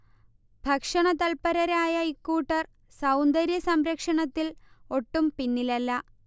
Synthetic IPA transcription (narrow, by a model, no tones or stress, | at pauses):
bʱɐkʂɐɳɐt̪ɐlpɐɾɐɾaːjɐikːuːʈːɐr | sɐwnd̪ɐɾjɐsɐmɾɐkʂɐɳɐt̪ːilo̞ʈːumpinːilɐlːɐ